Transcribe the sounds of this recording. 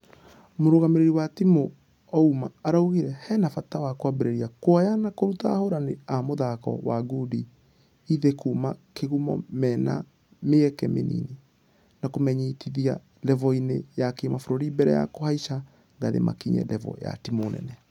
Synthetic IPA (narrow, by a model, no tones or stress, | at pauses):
moɾoɣameɾeɾiwatimo | ɔumaːɾauɣiɾɛhɛnafatawakwabeɾeɾiakwajanakoɾutahoɾaneamoðakɔ̰waɡudi | iðekumakeɣumɔ̰mɛːna̰ | meɛkɛmenḭːne | nakomɛɲitiðia | lɛvɔinejakemafoɾoɾibɛɾɛja̰kohaiʃa | ŋɡaðḛma̰kiɲɛ̰lɛvɔ̰ja̰timoːnɛ̰nɛ